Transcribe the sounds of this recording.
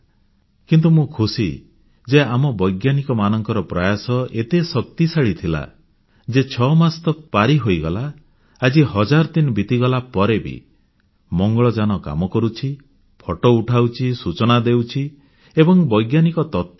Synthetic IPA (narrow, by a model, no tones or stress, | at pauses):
kint̪̬umũkʰusi | d͡ʒeamɔbɔjɡjanikɔmanɔŋkɔɾɔpɾɔjasɔet̪esɔk̚t̪isaɭit̪ʰila̰ | d͡ʒet͡ʃʰɔmast̪ɔpaɾiɦojɡɔlaː | d͡ʒihɔd͡ʒaɾɔt̪inbit̪iɡɔlapɔɾebḭ | mɔŋɡɔɭɔd͡ʒanɔka̰mɔkɔɾut͡ʃʰi | pʰɔʈɔuʈʰawt͡ʃʰisut͡ʃɔnad̪ewt͡ʃʰi | ebɔŋbɔjɡjanikɔt̪ɔt̪̚